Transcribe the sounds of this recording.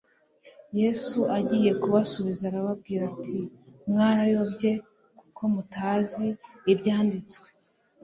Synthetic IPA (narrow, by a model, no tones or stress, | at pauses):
je̞suʔaɟije̞kuβasuβizaːɾaβab̚ɡiːɾatʰimŋaːɾajo̞bɟe̞ | kukʰo̞mutʰaːziːbɟaːndit͡skwe